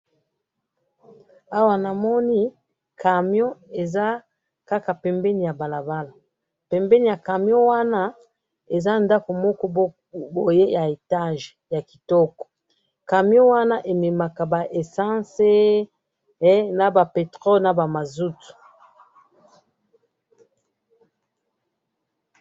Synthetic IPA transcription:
a˦wa˨na˨mɔ˦ni˦ | ka˨mjɔ˦e˨za˦ | ka˦ka˨pɛ˨mbɛ˦ni˨ja˨ba˨la˨ba˦la˨ | pɛ˨mbɛ˦ni˨ja˨ka˨mjɔ˦wa˦na˦ | e˨za˦nda˦ko˨mɔ˦kɔ˦ | bo˨je˦jʔa˨e˨ta˦ʒja˨ki˨tɔ˦kɔ̥˨ | ka˨mjo˦wa˦na˦ʔe˨me˨ma˨ka˨ba˨ʔe˨sã˦se˦ | na˨ba˨pe˨tʁɔ˦lna˨ba˨ma˨zu˦tu̥˨

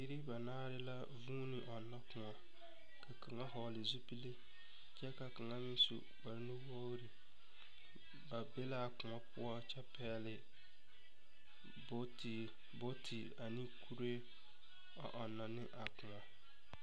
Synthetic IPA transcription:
i˦ɾi˦ba˨naː˦ɾɪ˦la˦ | vuː˦nɪ˨ʔɔ˨nːɔ˦kʊ˨ŋɔ˨ | kʰa˨ka˨ŋa˦ɦɔ˨lɪ˨zu˦pi˦le˦ | t͡ʃɛ˦ka˨ka˨ŋa˦mɪ˦n˦sṵ˨k͡pa˨ɾɪ˦nɪ˦wɔ˦ɾi˨ | ba˨be˦la˦˨kʊ˨ŋɔ˦pʊ˦ɔ˦t͡ʃɛ˦pɛː˦lɪ˨ | bo˦t | bo˦tʰɪ˨ | a˨ni˦kʰu˦ɾe˦ | a̰˨ʔɔ˨nːɔ˨nɪ˦ʔa˨kʊ˨ŋɔ˨

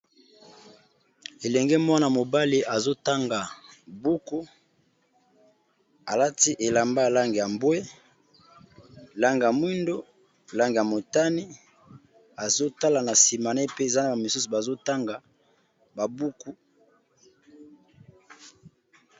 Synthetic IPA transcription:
e˨lɛ˨ŋɡɛ˦mwa˦na˨mo˨ba˦li˨ʔa˨zo˦ta˦ŋɡa˨bu˦ku˦ | a˨la˦ti˦ʔe˨la˨mba˦ja˨la˦ŋɡe˨ja˨mbwe˦ | la˦ŋɡe˨ja˨mwi˦ndo˦˨ | la˦ŋɡe˨ja˨mo˨ta˦ni˦ | a˨zo˦ta˦la˨na˨si˨ma˨ne˦pe˦e˨za˦na˨ba˨mi˨su˦su˨ba˨zo˦ta˦ŋɡa˨ | ba˨bu˦ku˦

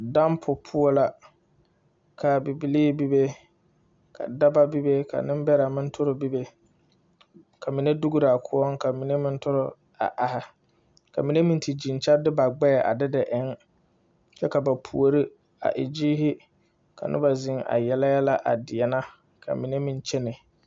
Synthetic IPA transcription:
da˦mpʰʊ˨pʰʊ˦ɔ˦la˨ | kʰa˨bi˨bi˨liː˦bi˦be˦ | kʰa̰˨da˦ba˦bi˦be˦kʰa̰˨nɪ˦m˦bɛ˦ɾa˨mɪ˦n˦tʰʊ˦ɾʊ˨bi˦be˦ | kʰa˨mi˨ne˦du˦ɡu˦ɾɪ˨a˨kʰʊ˦ɔ˦ŋka˨mi˨ne˦mɪ˦n˦tʊ˦ɾʊ˦ | a̰˨ʔa˨hɪ˦ | ka˨mi˨ne˦mĩ˦˨nti˨d͡ʒi˨n˨t͡ʃa˦dɪ˦ba˨ɡ͡bɛ˦˨ʔa̰˨dɪ˦dɪ˨ʔɪ˦ŋ | t͡ʃɛ˦ka˨ba˨pʰṵ˨o˨ɾi˦ | a̰˨ʔɪ̰˨d͡ʒiː˦ɦɪ˦ | kʰa̰˨nʔɪ̰˦ba˨zɪ˨ŋa̰˨jɛ˨la˦ja˦la˦ʔa˨dɪ˨ɛ˨na˦ | kʰa̰˨mi˨ne˦mi˨nt͡ʃɛ˦nɪ˨

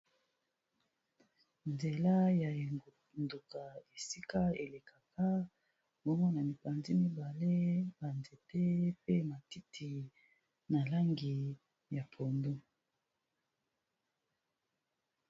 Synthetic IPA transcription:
nze˨la˦ja˨ | ndu˨ka˨e˨si˦ka˦e˨le˨ka˨ka˦ | bo˦mɔ˦na˨mi˨pa˨nzi˦mi˦ba˨le˦ba˨nze˨te˦pe˦ma˨ti˦tʰi˨ | na˨la˦ŋɡi˨ | ja˨pʰo˨ndo˦

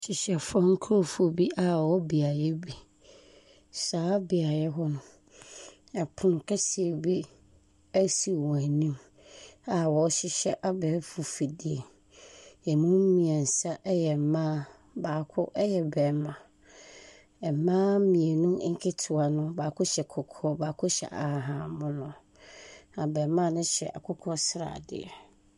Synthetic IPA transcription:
ɕɪ˨ɕɛ˨fɔ˦ŋ̩˦kʰo˦fu˦o˨bi˦ʔa˨wɔ˦bi˨a˨jɛ˦bi˨ | saː˨˦bi˨a˨jɛ˦ɦɔ̃˦m | ɛ˨pʰʊ˨nʊ̃˨kʰɛ˦si˨e˨bi˦ | æ˦si˨wɔ̃˨a˨nĩ˦m | a˨wɔ˨˦ɕɪ˦ɕɛ˦ʔa˦bɛ˨˦fu˨fi˨di˨e˨ | ɛ˨mũ˦m̩˦mĩ˨ɛ̃˨n̩˨sa˦ʔɛ˦jɛ˨mãː˦ | baː˨kʰʊ˦ʔjɛ˨bɛː˨˦mã˨ | ɛ˨mãː˦mĩ˨e˨nʊ̃˦ŋ̩˦kʰɪ˦tʰʊ˨a˨nʊ̃˦baː˨kʰʊ˦ɕɛ˨kʰɔ˨kʰɔ˦baː˨kʰʊ˦ɕɛ̰˨ʔa̰˨a˨ɦã˨mʊ̃˦nʊ̃˦ | a˨bɛː˨˦mã˦˨nʊ̃˦ɕɛ̰˨ʔa̰˨kʰʊ˦kʰɔ˦sɾa̰ː˨dɪ̰˦ɛ̰˨

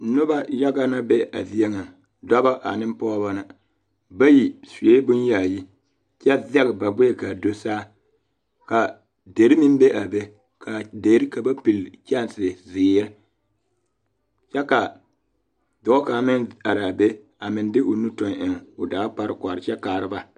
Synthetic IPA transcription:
nʊ˦ba˦ja˦ɡa˦na˦be˦a̰˨vi˦ɛ˦ŋa˨ | da˦ba˦ʔa̰˨nɪ˦m˦pɔ˦ba˦na˨ | ba˦ji˨se˦bʊ˦nja˨ji˦ | t͡ʃɛ˦vɛ˦ɣba˨bʊ˦e˨ka˨do˨saː˦ | ka˨ | de˨ɾi˦mɪ˦m˦be˦ʔa˨be˦ | kʰa˨de˨ɾɪ˦ka˨ba˦pi˨lt͡ʃa˦˨nsɪ˨zɪː˨˦ɾɪ˦ | t͡ʃɛ˦ka˨ | dɔ˨˦ka˨mɪ˦na˨ɾa˨be˦ | a˨mɪ˨n˦dɪ˦ʔʊ˨nu˦tɔ˦nɪ˨ŋ˨ʊ˨daː˨˦k͡pa˦ɾɨ˦kʷa˨ɾɪ˨t͡ʃɛ˦kaː˨ɾɪ˦ba˦

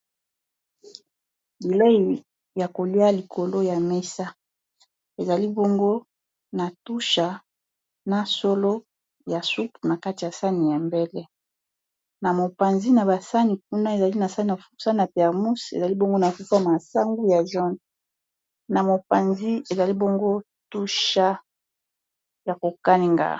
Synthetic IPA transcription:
bi˨le˦i˨ | ja˨ko˨li˦a˦li˨kʰo˨lo˦ja˨me˦sa˦ | e˨za˨li˦bo˦ŋɡo˦ | na˨tu˦ʃa˨ | na˨so˦lo˦ | ja˨su˦pna˨ka˦ti˨ja˨sa˦ni˨ja˨mbe˦lɛ˦ | na˨mo˨pa˨nzi˦na˨ba˨sa˦ni˨k̚u˦na˦e˨za˨li˦na˨sa˦ni˨a˨fu˦sa˦nna˨pɛ˨ʁmu˦sḛ˨za˨li˦bo˦ŋɡo˦na˨fu˦fa˦˨ma˨sa˦ŋɡu˦ja˨ʒɔ˦n | na˨mo˨pa˨nzi˦e˨za˨li˦bo˦ŋɡo˦ | tu˦ʃa˦ | ja˨ko˨ka˦ni˨ŋɡa̰˨

